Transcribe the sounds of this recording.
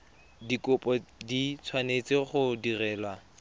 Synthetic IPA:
dikʊpʼɔdit͡sʰwanet͡sɪχʊdirɛːla

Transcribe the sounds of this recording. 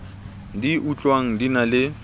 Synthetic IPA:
diʔut͡ɬʼwaŋ̩dinalɪ

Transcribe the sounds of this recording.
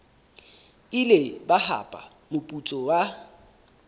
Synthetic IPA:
ɪlebaha̰pʼa̰ | mʊpʼut͡sʼɔwa

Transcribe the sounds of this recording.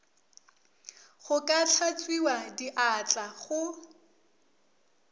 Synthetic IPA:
χʊkʼat͡ɬʰat͡sʼwiwadiʔat͡ɬʼaχʊ

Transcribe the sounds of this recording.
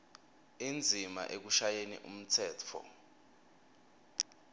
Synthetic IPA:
ind͡zʱima̰ʔek̬uʃajenḭʔṵm̩tʰɛːtʰɔ̰

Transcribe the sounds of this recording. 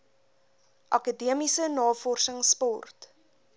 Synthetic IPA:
ʔɐkədiəmisənɑːfɔrsəŋspɔrt

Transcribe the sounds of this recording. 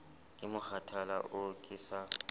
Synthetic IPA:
kʼɪmʊxatʰala̰ʔʊkʼɪːsa

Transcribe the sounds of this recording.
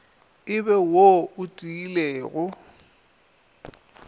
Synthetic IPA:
ɪbɛwoʊtʼiileːɣʊ

